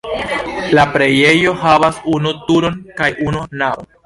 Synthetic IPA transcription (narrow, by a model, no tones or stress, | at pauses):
lapɾe̞jejo̞havasunutuɾo̞nkajununawo